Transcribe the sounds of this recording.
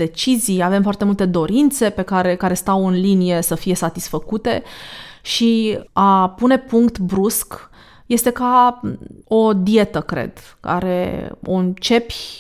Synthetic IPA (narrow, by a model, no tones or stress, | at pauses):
d̪e̞t͡ʃizijave̞mfoart̪e̞mult̪e̞d̪o̞ɾint̪se̞pe̞kaɾe̞kaɾe̞st̪awɨnlinije̞səfije̞sat̪isfəkut̪e̞̰ʃiapune̞puŋkt̪bɾusk | je̞st̪e̞ka | o̞d̪ie̞t̪əkɾe̞̰d̪̥ | ka̰ɾe̞̰o̞̰ɨnt͡ʃe̞pʲ